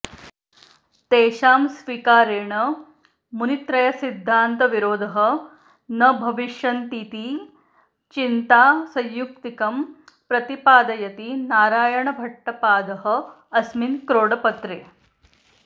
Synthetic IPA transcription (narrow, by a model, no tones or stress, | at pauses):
t̪eːʃaːmsʋikaːɾeːɳɐ | munit̪ɾɐjɐsid̪ʱːaːnt̪ɐʋiɾoːd̪ʱɐɦɐ̆ | nɐbʱɐʋiʃjɐnt̪iːt̪i | t͡ʃint̪aːsɐ̃jjːukt̪ikɐm | pɾɐt̪ipaːd̪ɐjɐt̪inaːɾaːjɐɳɐbʱɐʈːɐpaːd̪ɐɦɐ | ɐsminkɾoːɽɐpɐt̪ɾeː